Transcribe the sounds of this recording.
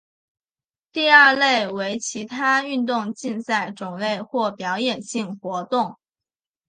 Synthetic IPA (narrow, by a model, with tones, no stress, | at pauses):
t̪i˥˧ɐ˞˥˧le˥˩ɪwe˧˥ɪt͡ɕʰi˧˥t̪ʰa˥y˥˧nt̪ʊ˥˧ŋt͡ɕi˥˧nsa˥˩ɪʈ͡ʂʊ˨˩ŋle˥˧ɪxwɔ˥˩pjɑ˧˥ʊjɛ˨˩nɕi˥˩ŋxwɔ˧˥t̪ʊ˥˩ŋ